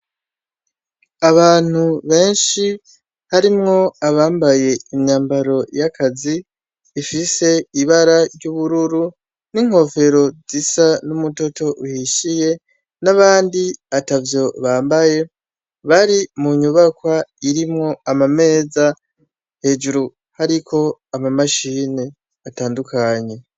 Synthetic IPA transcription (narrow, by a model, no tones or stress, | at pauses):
aβaːn̥huβe̞ːnʃi | haɾimŋo̞aβaːmbaje̞imɲaːmbaɾo̞jakʰaziː | fise̞iβaɾaɾɟuːβuɾuɾu | niŋho̞fe̞ɾo̞zisanumuto̞to̞ʔuhiʃije̞ | naβaːndiatavjo̞βaːmbaje̞ | βaɾimuɲuβakwaiɾimŋo̞amame̞ːza | he̞ːd͡ʒuɾu | haɾikʰo̞amamaʃiːne | ataːndukʰaɲe̞